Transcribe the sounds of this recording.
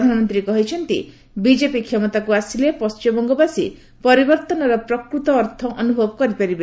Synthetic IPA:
d̪ʱanɔmɔnt̪ɾikɔɦit͡ʃʰɔnt̪ḭ | bid͡ʒepikʰːjɔmɔt̪akuasilepɔst͡ʃɔmbɔŋɡɔbasḭ | pɔɾibɔɾt̪ɔnɔɾɔpɾɔkɾut̪ɔːɾt̪ʰɔʔɔnubʱɔbɔkɔɾipaɾibe

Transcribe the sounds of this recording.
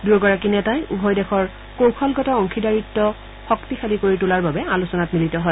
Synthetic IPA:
duɛɡɔɹakinɛtajṵbʱɔjdɛxʰɔɹ | kowkʰɔlɡɔtaɔŋkʰidaɹitːɔ | xɔktixʰalikoɹitʊlaɹbabɛalusɔnatmilitɔɦɔj

